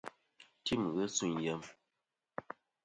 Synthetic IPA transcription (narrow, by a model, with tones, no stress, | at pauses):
ti˦˨mɣə˦su˦˨jə˨˦m